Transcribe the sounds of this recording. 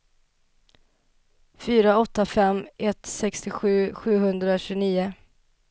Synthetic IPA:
fyːɾaɔt̪ːafɛmːʔɛt̪sɛkst̪ɪɧʉ̟ːɧʉ̟ːɦɵnd̪ɾaɕʉniːʊ

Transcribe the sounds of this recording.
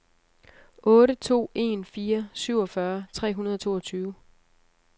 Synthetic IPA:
ʔɔ̽ːɾət͡sʰo̝̰ːe̝nfiːɐsyʊ̰ɒ̽fɶɐt͡sʰʁɛ̰ːɦunɐðˠɒ̽t͡sʰo̝̰ːɒt͡sʰyːʊ

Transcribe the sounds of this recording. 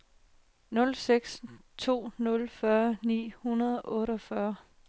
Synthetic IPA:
nɔ̽lseɡ̥st͡sʰo̝̰ːnɔ̽lfɶɐnḭːhunɐð̞ˠɒ̽ʔɔ̽ːɾɒ̽fɶɐ

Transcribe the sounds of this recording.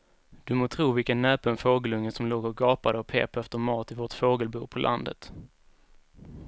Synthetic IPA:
d̪̥ɵmoːt̪ʰɾuːvɪlkənːɛːpənfoːɡəlɵŋːəsɔmloːɡɔɡɑːpad̪əɔpʰḛːpɛft̪əɾmɑːt̪ɪvɔʈfoːɡəlbuːpʰɔlʔa̰nd̪ə̰t̪

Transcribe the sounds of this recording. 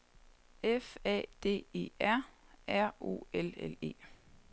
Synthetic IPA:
efɛ̰ːd̥e̝̰ːe̝̰ːæɐ̰æɐ̰o̝̰ːelele̝̰ː

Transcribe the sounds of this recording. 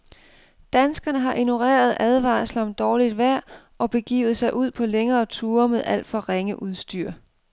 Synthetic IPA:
d̥ænsɡ̥ɐnəɦɑ̈ʔino̝ʁḛːɐð̞̩ˠʔæð̞ˠʋɑ̈ːslɒ̽md̥ɒːlid̥ʋæɐ̰ | ʔɒ̽b̥e̝ɡ̥ḭːʊð̩ˠsɑ̈ɪʔuð̞̰ˠpʰɒ̽leŋɐːt͡sʰuːɐmeð̞ˠæl̰d̥fɒ̽ʁeŋəʔuð̞ˠsd̥yɐ̰

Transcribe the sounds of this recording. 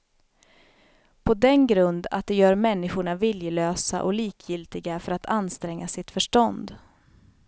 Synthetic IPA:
pʰɔd̪ɛnɡɾɵnd̪a̰t̪̚d̪ɛjœːɾmɛnːɪɧʊɳavɪljəløːsa̰ʔɔ̰liːkʰjɪlt̪ɪɡafœɾat̪ʰanst̪ɾɛŋːasɪt̪fœʂʈɔnd̪

